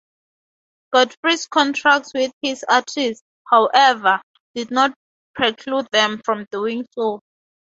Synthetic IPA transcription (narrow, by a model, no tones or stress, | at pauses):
ɡ̥ɔdfɹiskʰɔ̃ntʰɹak̚tswiθhisatʰist | hawʔɛvə | d̥idnɔt̚ | pʰɹɛkʰlud̚ðɛ̃mfɹɔ̃mduĩŋso